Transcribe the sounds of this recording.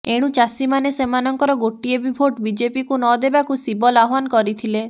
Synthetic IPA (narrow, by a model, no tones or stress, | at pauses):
eɽ̃ũt͡ʃasimanesemanɔŋkɔɾɔɡoʈiebibʱoʈbid͡ʒepikunɔd̪ebakusibɔlaɦankɔɾit̪ʰile